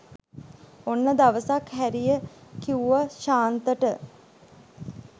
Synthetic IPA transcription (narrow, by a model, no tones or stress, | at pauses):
onːəd̪aʋəsakhæɾijəkiuʋaʃaːnt̪əʈə